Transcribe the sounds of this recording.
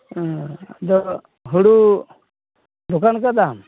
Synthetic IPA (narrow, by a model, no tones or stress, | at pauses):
d̪ɔ | ɦuɽu | d̪ukankad̪am